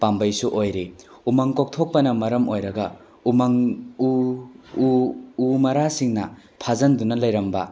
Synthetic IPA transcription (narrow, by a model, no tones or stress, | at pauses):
pambɐjsuʔojɾe | umaŋkok̚tʰok̚pɐnɐmɐɾɐmojɾɐɡɐ | umaŋu | umɐɾasiŋnɐ | pʰazɐndunɐlɐjɾɐmbɐ̰